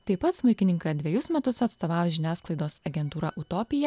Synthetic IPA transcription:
t̪ɐɪpɐt̪smʊɪkʲɪnʲɪŋkɐd̪ʲʋʲiɛjʊsmʲɛt̪ʊsɐt̪st̪oːʋɑːʒʲɪnʲæːsklˠɐɪd̪oːsɐɡʲɛnt̪uːɾɑ̰ʔʊt̪oːpʲɪjɛ

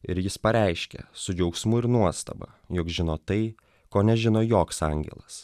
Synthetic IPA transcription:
ɪɾjɪspɐɾʲɛɪʃʲkʲɛ̰sʊd͡ʒʲɛʊksmʊɪɾnuɔst̪ɐ̰bɐ̰ | jokʒʲɪnoːt̪ɐɪ | koːnʲɛʒʲɪnoːjoːksɑŋʲɡʲɛ̰lˠɐs

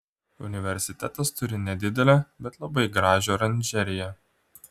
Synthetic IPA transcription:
ʊ̰nʲɪʋʲɛɾʲsʲɪt̪ʲɛt̪ɐst̪ʊɾʲɪnʲɛd̪ʲɪd̪ʲɛlʲɛbʲɛt̪lˠɐbɐɪɡɾɑːʒʲoːɾɐnʲd͡ʒʲɛɾʲɪjɛ

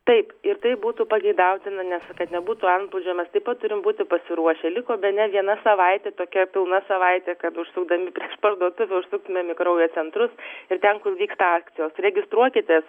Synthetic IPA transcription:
t̪ɐɪpɪrt̪ɐɪbuːt̪upɐɡʲɛɪd̪ɐʊt̪ʲɪnɐnʲɛskɐt̪nʲɛbuːt̪uɐnt̪plˠʊd͡ʒʲoːmʲɛst̪ɐɪpɐt̪̚tːʊɾʲɪmbuːt̪ʲɪpɐsʲɪɾuɔʃʲɛːlʲɪkoːbʲɛt̪nʲɛʋʲiɛnɐsɐʋɐɪt̪ʲeːt̪oːkʲɛpʲɪlˠnɐsɐʋɐɪt̪ʲekɐt̪ʊʃsʊɡ̚d̪ɐmʲɪpʲɾʲiɛʃpɐrd̪uɔt̪ʊʋʲɛʊʃsʊk̚t̪ʊmʲɛmʲɪkɾɐʊjoːt͡ssʲɛnt̪ɾʊsɪrt̪ʲɛnkʊlˠʋʲiːkst̪ɐɑːktt͡sʲsʲɪjoːsɾʲɛɡʲɪst̪ɾuɔkʲɪt̪ʲes

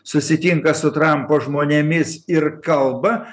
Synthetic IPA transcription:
sʊsʲɪt̪ʲiŋkɐsʊt̪ɾɐmpoːʒmoːnʲemʲɪsɪɾkɐlˠbɐ

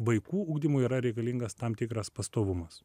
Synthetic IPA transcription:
ʋɐɪkuːʊɡd̪ʲɪmʊiːɾɐɾʲɛɪkɐlʲiŋɡɐst̪ɑmt̪ʲɪkɾɐspɐst̪oːʋʊmɐs

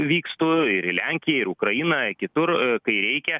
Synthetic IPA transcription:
ʋʲiːkst̪uːɪɾɪlʲæŋʲkʲɪjɛɪɾʊkɾɐjinɐkʲɪt̪ʊrkɐɪɾʲɛɪkʲɛ

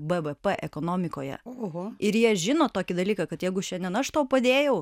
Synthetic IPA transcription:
bɛʋɛpɛʔɛkoːnoːmʲɪkoːjɛ̰oɦoɪɾjiɛʒʲɪnoːt̪oːkʲɪd̪ɐlʲiːkɐkɐt̪jɛɪɡʊʃʲɛnd̪ʲɛnɐʃt̪oːpɐd̪ʲeːjɛʊ

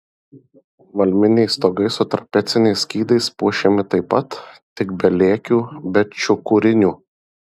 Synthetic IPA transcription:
ʋɐlʲmʲɪnʲɛɪst̪oːɡɐɪsʊt̪ɾɐpʲɛt̪sʲɪnʲɛɪskʲiːd̪ɐɪspuɔʃʲɛmʲɪt̪ɐɪpːɐt̪t̪ʲɪkbʲɛlʲeːkʲuːbʲɛt̪t͡ʃʲʊkuɾʲɪnʲuː

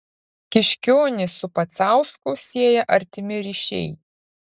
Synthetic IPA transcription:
kʲɪʃʲkʲoːnʲɪsʊpɐt̪sɑˑʊskʊsʲiɛjɛʔɐɾʲt̪ʲɪmʲɪɾʲiʃʲɛ̰ɪ

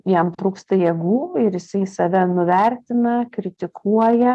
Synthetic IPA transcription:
jɛmt̪ɾuːkst̪ɐjɛɡuːɪɾjɪsɐɪsɐʋʲɛnʊʋʲɛɾʲt̪ʲɪnɐkɾʲɪt̪ʲɪkʰuɔjɛ

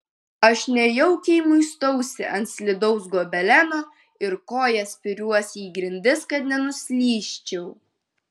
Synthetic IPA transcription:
ɐʃnʲɛjɛʊkʲɛɪmʊɪst̪ɔʊsʲɪʔɐnt̪sʲlʲɪd̪ɔʊsɡoːbʲɛlʲænoː | ɪɾkoːjɛsʲpʲɪɾʲuɔsʲiːɡɾʲɪnʲd̪ʲɪskɐt̪nʲɛnʊsʲlʲiːʃʲt͡ʃʲɛʊ

